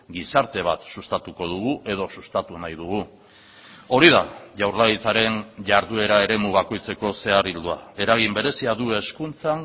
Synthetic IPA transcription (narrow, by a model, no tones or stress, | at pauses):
ɡisaɾt̪e̞β̞a̰t̪sust̪at̪uko̞ð̞uɣ̞uʔe̞ð̞o̞sust̪at̪unajð̞uɣu | o̞ɾið̞aʝawrlait͡saɾe̞nʝaɾðue̞ɾae̞ɾe̞muβako̞jt͡se̞ko̞se̞arild̪ua̰e̞ɾaɣ̞imbe̞ɾe̞siaðue̞skunt͡saŋ